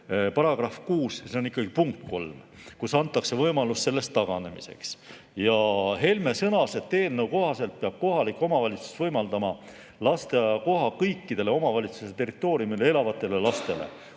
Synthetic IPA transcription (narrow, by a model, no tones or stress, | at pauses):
pɑɾɑɡ̥rɑfkuːsseo̞nikːˑɑɡ̥ipuŋkːo̞lmkusɑnt̪ːˑɑkse̞vɤjmɑlust̪se̞lːe̞st̪ːɑɡ̥ɑ̰ne̞̰mḭse̞̰ks | jɑɦe̞lme̞sɤnɑse̞t̪ːe̞ːlnewko̞ɦɑse̞lt̪̚peɑb̥̚ko̞ɦɑlikːˑo̞mɑvɑlʲit̪su̥svɤjmɑld̪ɑmɑ | lɑst̪eko̞ɦɑkɤjkːˑid̪̥e̞le̞o̞mɑvɑlʲit̪suset̪e̞rit̪ːˑo̞ːɾijumilee̞lɑvɑt̪ːˑe̞le̞lɑst̪e̞le̞̰